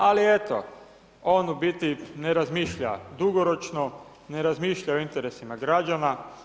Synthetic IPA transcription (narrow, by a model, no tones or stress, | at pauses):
alie̞t̪o̰ | o̞nubit̪ineɾazmiːʃʎa̰d̪uɡoɾot͡ʃno | ne̞ɾazmiːʃʎaoint̪eɾesimaɡɾad͡ʒana